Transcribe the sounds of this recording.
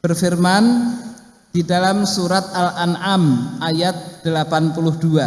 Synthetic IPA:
bərfirman | d̥idalamsuɾat̪̚alʔanamajat̪̚d̪̥əlapanpulʊhdua

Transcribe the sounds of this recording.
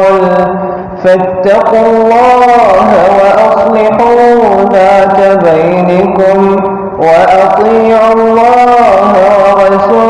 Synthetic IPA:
fat̪ːɑqʊlˤːɑːɦwɑʔɑsˤlɑħuːðaːkabajnakʊm | waʔɑt̪ˤiːʕʊlːɑːɦawɑɾˤɑsu

